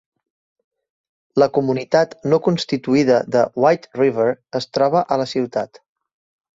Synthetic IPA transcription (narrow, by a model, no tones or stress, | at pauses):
ləkumunit̪at̪nokunst̪it̪uiðəðəwajt̪riβəɾəst̪ɾɔβ̞əʔələsiwt̪at̪